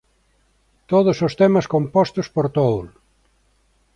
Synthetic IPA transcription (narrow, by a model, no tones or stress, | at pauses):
t̪oðosost̪ɛmɐskompɔst̪ospoɾt̪owl